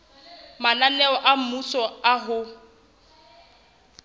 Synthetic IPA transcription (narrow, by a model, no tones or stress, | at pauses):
mananɛɔʔam̩musɔaɦʊ